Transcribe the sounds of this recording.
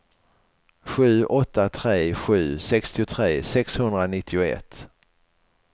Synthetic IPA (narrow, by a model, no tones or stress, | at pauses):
ɧʉ̟ːʔɔt̪ːat̪ʰɾeːɧʉ̟ːsɛkst̪ɪʊt̪ʰɾeːsɛkshɵnd̪ɾanɪt̪ʰːɪʊɛ̰t̪ː